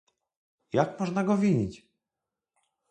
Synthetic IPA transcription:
jakmɔʐnaɡɔvʲiɲit͡ɕ

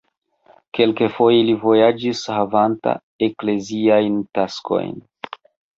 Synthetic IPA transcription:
ke̞lkefo̞jelivo̞jad͡ʒishavanta̰ | e̞kle̞ziajntaskʰo̞̰jn

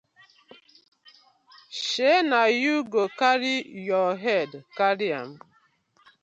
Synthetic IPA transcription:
ʃenajuɡokaɾijɔɦɛdkaɾia̰m̩

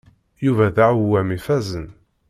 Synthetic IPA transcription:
juvæðaʕwæmifæzən

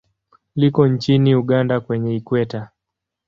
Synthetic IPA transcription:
likɔɲt͡ʃiniuɠandakwɛɲɛikwɛta

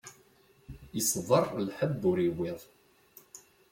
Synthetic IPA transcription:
jəsˤðˤərˤlħəbʊɾiwɪðˤ

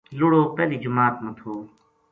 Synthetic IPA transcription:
lʊɽoːpɛːliːd͡ʒʊmaːt̪mɐt̪ʰoː

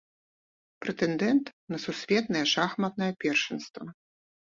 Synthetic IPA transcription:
pɾɛt̪ɛnd̪ɛnt̪nɐsusʲvʲɛt̪̚nɐjɛʂaxmɐt̪̚nɐjɐpʲɛrʂɛnst̪vɐ

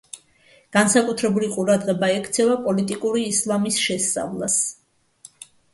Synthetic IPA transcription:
ɡ̥ansakʼut̪ʰɾɛbuliqʼuɾad̪ʁɛbaɛkʰt̪sʰɛvapʼɔlit̪ʼikʼuɾiːslˠamisʃɛst̪sʼa̰vlˠas

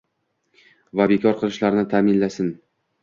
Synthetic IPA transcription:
vabekʰɒɾqʰɨlˠɪʃlaɾnɪt̪ʰamɪnlasɪn

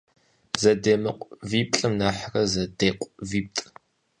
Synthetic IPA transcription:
zɐdeːmɐqʷʼviːp̚ɬʼɨmnaːħrɐzɐdeːqʷʼviːp̚tʼ

